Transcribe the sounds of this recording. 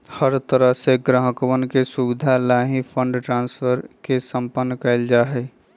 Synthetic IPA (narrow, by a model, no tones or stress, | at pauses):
həɾt̪əɾəɦseɡɾəɦəkwənkesuʋɪd̪ʱalaːɦipʰə̃ɳɖʈɾãːnsfəɾkesə̃mpənːkɐɪld͡ʒaːɦɛː